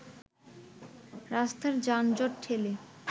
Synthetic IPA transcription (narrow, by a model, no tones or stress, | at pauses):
ɾast̪ʰaɾd͡ʑand͡ʑɔʈʈʰele